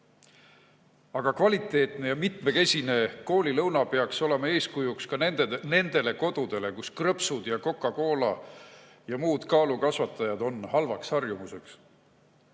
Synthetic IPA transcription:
ɑɡ̥ɑkvɑlit̪ːˑe̞ːt̪ne̞jɑmit̪me̞ke̞sʲine̞ko̞ːlʲilɤwnɑpe̞ɑkso̞le̞mɑe̞ːskujukskɑene̞nd̪e̞le̞ko̞d̪̥ud̪̥e̞le̞kuskrɤpsud̪̥jɑko̞kːˑɑko̞ːlɑ | jɑmuːd̪̥kɑːlukɑsvɑt̪ːˑɑjɑd̪̥o̞nhɑlvɑkshɑrjumuse̞ks

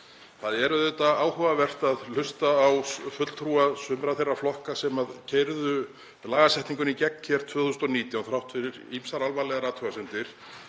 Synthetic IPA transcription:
θaðɛɾʏðʏt̪aaːwhɔvavɛr̥t̪aðlʏst̪aːwfʏt̪lt̪ʰɾuasʏmɾaθejrːaflɔhkasɛmaðcʰejɾðʏ | laːɣasɛjht̪niŋkʏnicɛkcʰɛɾ̥t̪ʰvœːθusnt̪ɔniːt̪jawnθɾawht̪fɪɾɪɾimsaɾalvalɛɣaɾaːt̪ʰɾɔɣasɛnt̪ɪɾ̥

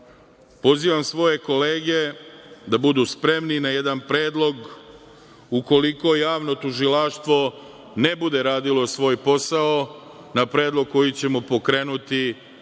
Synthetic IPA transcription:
po̞ziːʋamsʋo̞je̞ko̞le̞ːɡe̞d̪abud̪uspɾe̞mninaje̞d̪anpɾe̞ːd̪lˠo̞ɡ | uko̞liko̞jaːʋno̞t̪uʒilaʃt̪ʋo̞ | ne̞bud̪e̞ɾaːd̪ilo̞sʋo̞ːjpo̞sao | napɾe̞ːd̪lˠo̞ɡ̚ko̞jit͡ɕe̞mopo̞kɾe̞ːnut̪i

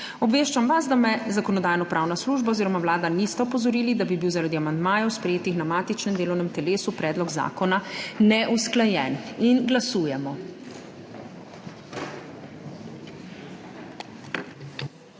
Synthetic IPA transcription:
ɔbʋeːʃt͡ʃamʋasd̪amɛzakɔnɔd̪aːjnɔpɾʔawnasluːʒbaoziːɾɔmawlaːd̪anist̪ɛɔpɔzɔɾiːlid̪abibiwzaɾad̪iamand̪maːjɔwspɾɛjeːt̪ixnamaːt̪it͡ʃnɛmd̪eːlɔwnɛmt̪ɛleːsupɾɛːd̪lɔɡza̰ːkɔnanɛʔusklajɛninɡlasuːjɛmɔ

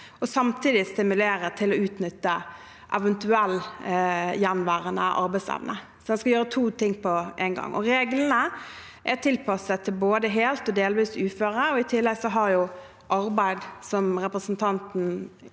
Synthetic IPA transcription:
ɔsɑmt̪ʰiːd̪ɪst̪ɪmʉleːɾət̪ʰɪlɔʉːt̪nʏt̪ːə | ʔɛʋənt̪ʉɛlː | jænʋæːʁənə̰ʔɑ̰ɾbæɪsɛ̰ʋnʔə | sɔd̪ɛnskɑjøːɾət̪ʰuːt̪ʰɪŋːpʰɔʔæɪnɡɑ̰ŋːʔɔ̰ɾeːɡlənə | ʔæt̪ʰɪlpʰɑsət̪ʰɪlboːd̪əɦeːlt̪ɔd̪eːlʋiːsʉːføːɾəɔɪt̪ʰɪlːɛɡsɔɦɑɾjʊ | ʔɑɾbæɪd̪sɔmɾɛpɾəsnt̪ʰɑnt̪n̩

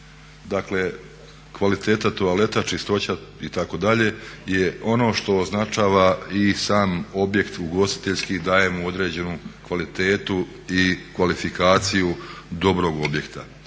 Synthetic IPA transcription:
d̪akle̞ | kʋalit̪e̞ːt̪at̪oale̞t̪at͡ʃist̪o̞t͡ɕait̪ako̞d̪aʎe̞je̞ʔo̞no̞ːʃt̪o̞ːznat͡ʃaːʋaisaːmo̞bje̞kt̪uɡo̞st̪i̥t̪e̞ʎskid̪aːje̞muo̞d̪ɾe̞ːd͡ʑe̞nukʋalit̪e̞ːt̪u | ikʋalifikaːt̪sijud̪o̞bɾo̞ɡo̞bje̞kt̪a

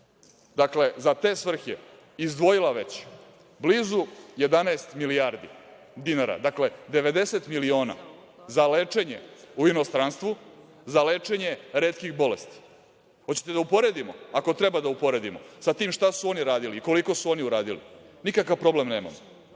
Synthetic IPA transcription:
d̪akle̞zat̪e̞ːsʋr̩xḛ | izd̪ʋo̞jilaʋe̞t͡ɕ | bliːzuje̞d̪anaest̪miliaɾd̪ḭ | d̪inaɾa̰d̪akle̞d̪e̞ʋe̞d̪e̞se̞t̪milio̞ːna̰ | zaleːt͡ʂe̞ɲḛuino̞st̪ɾanst̪ʋu | zalet͡ʂe̞ɲe̞ɾeːt̪kiɣbo̞le̞st̪i̥ | hot͡ɕe̥t̪ed̪aupo̞ɾe̞d̪imoako̞t̪ɾebad̪aupo̞ɾe̞d̪imosat̪iːmʃt̪asuo̞niɾaːd̪iliːko̞liko̞suo̞niuɾaːd̪ilḭnikakaʋpɾo̞ble̞mneːma̰mo

